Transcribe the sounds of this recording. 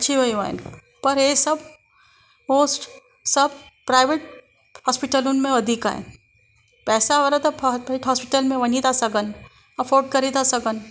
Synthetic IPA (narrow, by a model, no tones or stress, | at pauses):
ɐtːʃʰiʋɐiʋa̰ːḛ̃n | pɐɾesɐb | moːsʈ | sɐbpɾaːɪʋeʈ̚ | hɔːspɪʈəlũnmẽɐd̪ʱika̰ːɦḛ̃ | pɛːsaɐɾət̪ɐppɪʈɦɔːspɪʈəlmẽʋɐnit̪asɐɡən | ɐpʰoːɾɖ̚kɐɾit̪asɐɡən